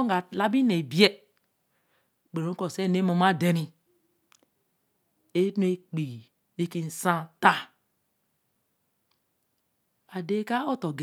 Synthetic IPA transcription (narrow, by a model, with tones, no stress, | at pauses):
ɡa˨la˦bi˦ne˨bi˨˦e˦ | k͡pe˨o˦ko˨se˦˨ne˦mo˨ma˦de˨ni˨ | e˦nu˦e˦k͡pi˨ | ni˦ki˦n̩˨sã˦ta˦˨ | a˨de˦ka˦o˦to˨ɡe˨